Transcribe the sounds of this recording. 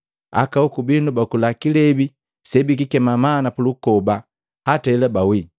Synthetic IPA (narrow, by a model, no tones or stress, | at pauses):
a̰kaukubinubakulakilɛbi | sɛbikikɛmamanapulukɔba | hataɛlabawi